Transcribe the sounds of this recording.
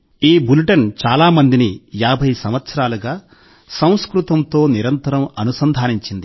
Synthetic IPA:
iːbuluʈɐnt͡ʃaːlaːmɐnd̪inijaːbʱɐjsɐmʋɐt̪sɐɾaːluɡaː | sɐ̃w̃skɾut̪ɐmt̪o̞ːniɾɐnt̪ɐɾɐmɐnusɐnd̪ʱaːniɲt͡ʃind̪i

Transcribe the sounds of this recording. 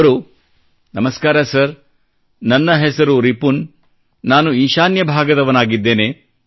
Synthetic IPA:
ɾu | nɐmɐskaːɾɐsɐɾ | nɐnːɐɦɛsɐɾuɾipunː | aːnuiːʃaːnjɐbʱaːɡɐd̪ɐʋɐnaːɡid̪ːe̞ːne

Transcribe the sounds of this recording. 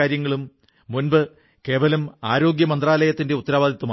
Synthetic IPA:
aːɾjɐŋːɐɭumː | unbɨ | ke̞ːʋɐlɐmaːɾo̞ːɡjɐmɐnd̪raːlɐjɐt̪ːinde̞ut̪ːɐɾaːʋaːd̪ʱɐt̪ːumː

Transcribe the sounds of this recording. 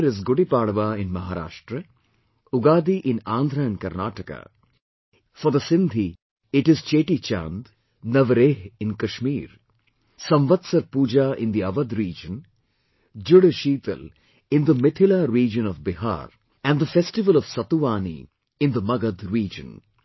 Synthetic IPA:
ɾɪzɡʊɽipaːɽʋaːɪ̃nmɐɦaːɾa̰ːʃʈɾə | ʊɡaːd̪iʔɪ̃nãːnd̪ʱɾãnkɐɾnaːʈəka̰ | fɔɾd̪əsɪ̃nd̪ʱi | ɪʈɪzt͡ʃeːʈit͡ʃã̰ːnd̪ | nɐʋɐɾeːɦɪ̃nkɐʃmiːɾ | sɐ̃mʋɐd̪sɐɾpuːd͡ʒaʔɪ̰̃nd̪iɐʋɐd̪ɾiːd͡ʒə̃n | d͡ʒʊɽʃiːt̪ə̰l | ɪ̃nd̪əmɪt̪ʰɪlaɾiːd͡ʒə̃nɔʋbɪɦa̰ːɾ | æ̃ɳd̪əfesʈɪʋəlɔʋsɐt̪uʋaːnḭ | ɪ̃nd̪əmɐɡɐd̪ɾiːd͡ʒə̰̃n

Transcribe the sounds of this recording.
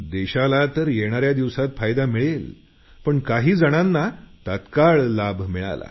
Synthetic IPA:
d̪eɕalat̪əɾjeɽ̃aɾjad̪iʋsat̪fajd̪amiɭel | pəɳkaɦiːd͡zəɽ̃anːat̪at̪kaɭlabʱmiɭa̰la̰

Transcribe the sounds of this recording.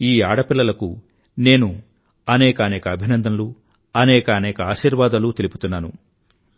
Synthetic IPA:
iːaːɽɐpilːɐlɐku | ne̞ːnu | ɐnɛːkɐːnɛːkɐːbʱinɐnd̪ʱɐnlu | ɐnɛːkɐːnɛːkɐaːʃiːɾʋaːd̪ɐlut̪e̞lipu̥t̪unːaːnṵ

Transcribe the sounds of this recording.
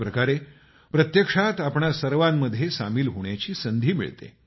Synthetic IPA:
pɾəkaɾe | pɾət̪jəkʂat̪apɳasəɾʋamːəd̪ʱːjesamiːlɦoɳ̃jat͡ɕiːsənd̪ʱiːmḭɭt̪ḛ

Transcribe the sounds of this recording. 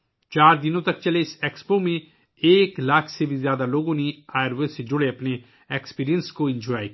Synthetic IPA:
t͡ʃaːɾd̪ɪnõt̪ɐk̚t͡ʃɐleɪsekspomẽ | eːklaːkʰsebʱizjaːd̪aloːɡõniaːɾʋesed͡ʒʊɽeɐpne | ekspiːɾijənskoɪ̃nd͡ʒɔːji

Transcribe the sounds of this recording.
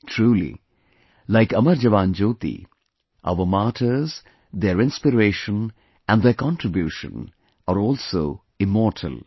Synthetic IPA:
ʈʰɾuːlḭ | laɪkʌməɾd͡ʒəʋãːnd͡ʒoːt̪ḭ | ʔa̰ʊʋəmaːʈʰəz | d̪eɾɪ̃nspɪɾeːʃə̃n | ʔæ̃nɖd̪ekɑ̃nʈɾɪbjuːʃə̰̃n | aːɾɔːlsoː | ɪmɔːʈʰə̰l

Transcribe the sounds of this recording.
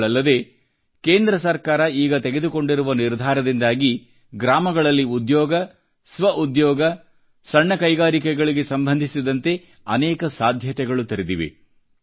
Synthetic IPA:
ɭɐlːɐd̪e̞ | keːnd̪ɾɐsɐɾkaːɾɐiːɡɐt̪eɡe̞d̪uko̞ɳɖiɾuʋɐniɾd̪ʱaːɾɐd̪ind̪aːɡi | ɡɾaːmɐɡɐɭɐlːiud̪jɔːɡɐ | sʋɐʔud̪jɔːɡɐ | sɐɳːɐkɐjɡaːɾikɛɡɐɭiɡe̞sɐmbʱɐnd̪ʱisid̪ɐnt̪e̞ | ɐnɛːkɐsaːd̪ʱjɐt̪ɛɡɐɭut̪ɐɾid̪iʋḛ

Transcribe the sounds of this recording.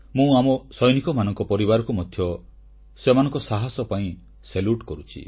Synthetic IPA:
mũamɔsɔjnikɔmanɔŋkɔpɔɾibaɾɔkumɔd̪ʱjɔ | semanɔŋkɔsaɦasɔpaĩ | seluʈkɔɾut͡ʃʰḭ

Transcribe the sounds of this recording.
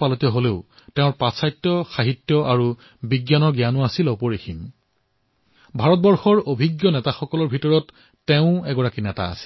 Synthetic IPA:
palɔtiɔɦoleʊ | tɛʊ̃ɹpasajtːɔxaɦitːjɔʔaɹu | biɡjanɔɡijanuasilopɔɹixim | bʱaɹɔt̚bɔɹxɔɹobʱiɡjɔnɛtaxɔkɔlɔɹbʱitɔɹɔtː | eʊ̃ɛɡɔɹakinɛta̰ːsi̥

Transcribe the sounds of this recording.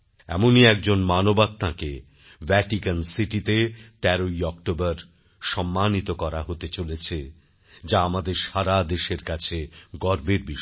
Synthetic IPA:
ɛ̰moniɛkd͡ʑonmanobat̪̚t̪ːãke | vɛʈikansiʈit̪et̪ɛɾoiɔkʈobaɾ | ʃɔmːanit̪okɔɾaɦot̪et͡ɕolet͡ɕʰe | d͡ʑaamad̪eɾʃaɾad̪eʃeɾkat͡ɕʰeɡɔɾbeɾbiʃ

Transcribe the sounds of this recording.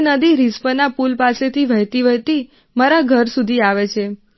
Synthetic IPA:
nəd̪iɾispənapulpaset̪ʰiʋəɦjt̪iʋəɦjt̪i | maɾaɡʱəɾsud̪ʱiaʋet͡ʃʰe

